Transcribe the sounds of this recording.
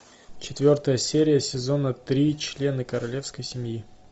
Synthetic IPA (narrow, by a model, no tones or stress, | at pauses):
t͡ɕɪt̪vʲo̞rt̪əjəsʲeɾʲɪjəsʲɪzo̞nət̪ɾʲit͡ɕlʲe̞nɨkəɾɐlʲe̞fskəjsʲɪmʲji